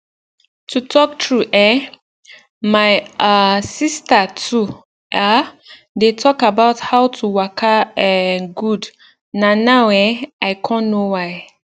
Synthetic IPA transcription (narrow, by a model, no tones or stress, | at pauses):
tʰutʰɔk̚tʰɹuʔɛ | maɪasistatʰu | ʔa | detʰɔkabaʊthawtʰuwakʰaɛɡud | nãnawɛaɪkʰɔ̃nːowaɪ